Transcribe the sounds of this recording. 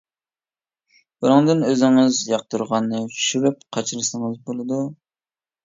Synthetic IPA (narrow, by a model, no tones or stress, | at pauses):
bunɨŋd̪ɨnøzɪŋɪzjɑq̚t̪uɾʁɑnːɨt͡ʃʰyʃyɾyp̚qʰɑt͡ʃʰɨɾɨsɨŋɨzbolˠɨd̪u